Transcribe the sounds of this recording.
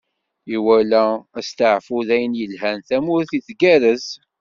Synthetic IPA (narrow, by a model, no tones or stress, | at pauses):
iwælææst̪əʕfʊðæjənjəlɦænθæmʊɾθiθɡæɾəz